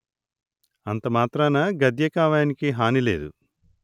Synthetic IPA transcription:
ɐnt̪ɐmaːt̪ɾaːnɐɡɐd̪jɐkaːʋaːnikiɦaːnile̞ːd̪ṵ

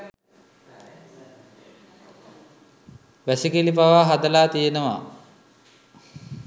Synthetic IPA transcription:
ʋæsikelipaʋaːɦad̪əlaːt̪ijenəʋa̰

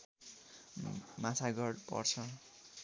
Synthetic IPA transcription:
mat͡sʰaɡʌɽpʌ̰rt͡sʰʌ

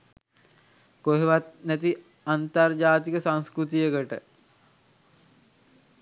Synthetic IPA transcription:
koɦeʋat̪̚næt̪i | ant̪ard͡ʒaːt̪ikəsãŋskɾut̪ijəkəʈə̰

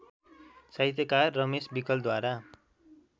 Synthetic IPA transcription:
saɦjt̪ʌkarːʌmesbikʌl̚d̪waɾa

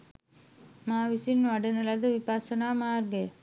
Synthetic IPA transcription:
maːʋisinʋɐɖɐnɐlɐd̪ɯʋipaːsɐnaːmaːɾɡe

